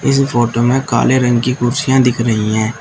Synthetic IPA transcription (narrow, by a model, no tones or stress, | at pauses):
ɪspʰoːʈoːmẽːka̰ːleːɾəŋɡkiːkʊɾsɪjãːd̪ɪkʰɾəɦĩːɛ̃ː